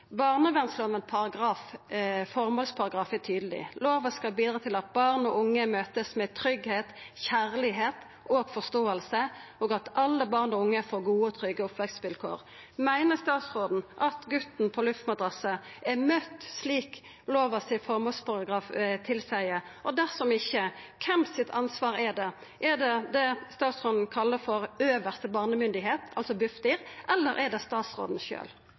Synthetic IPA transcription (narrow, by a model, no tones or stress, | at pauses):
bɑʁnəʋɛnsləɔmɛnpʰɑʁɑɡʁɑːffɔʁmɔlspʰɑɾɑɡɾɑːfæt̪ʰyːd̪əlɪ̰loːʋəskɑlbiːd̪ɾʁɑːt̪ʰɪlɑt̪̚bɑʁnɔʔʊŋːəmøːt̪əsmɛt̪ʰɾʏɡheːt̪çæʁlɪɦeːt̪ | ʔoːɡ̥fɔst̪oːəlsəʔɔːɡɑt̪ʔɑlːəbɑʁnɔʊŋːəfoːʁɡuːət̪ʰʁʏɡəɔpʋɛksʋɪlkʰo̰ːʁ | mæɪnəʁst̪ɑːt̪sʁoːd̪n̩ʔɑt̪ɡʉt̪n̩pʰɔlʉft̪mɑd̪ʁɑsəʔɛmœt̪ːsliːk | loːʋəsɪfɔʁmɔspʰɑʁɑɡɾɑːft̪ʰɪlsæɪəɔd̪æʁsɔmɪçːəkʰɛmsɪt̪ʰɑnsʋɑːʁɛd̪ɛ | ʔɛd̪ɛd̪ɛst̪ɑːt̪sʁoːd̪n̩kʰɑlːəfɔɾøːʋəʁst̪əbɑːʁnəmʏnd̪ɪɦeːt̪ʰɑlsɔbʉft̪ɪʁʔɛlːəɾʔɛd̪ɛst̪ɑːt̪sʁo̰ːd̪n̩ʃø̰ːl